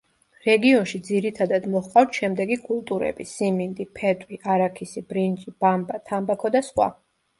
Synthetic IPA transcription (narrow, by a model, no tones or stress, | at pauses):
ɾɛɡiɔnʃid̪ziɾit̪ʰad̪ad̪mɔχqʼawt̪ʰʃɛmd̪ɛɡikʼulˠt̪ʼuɾɛ̰bisimind̪ipʰɛt̪ʼwiʔaɾakʰisibɾind͡ʒʼib̥ambat̪ʰambakʰɔd̪asχwa̰